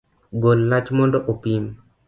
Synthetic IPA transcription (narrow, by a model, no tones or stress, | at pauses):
ɡolnat͡ʃmɔndoʔopim